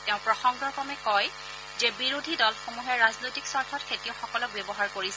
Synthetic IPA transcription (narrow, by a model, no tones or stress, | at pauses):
tɛʊ̃pɹɔxɔŋɡɔɹkɔmɛkɔj | zɛbiɹodʱidɔlxomuɦɛɹaznojtiksɔɹtʰɔtkʰetiɔxɔkɔlɔk̚bebɔɦaɹkoɹisɛ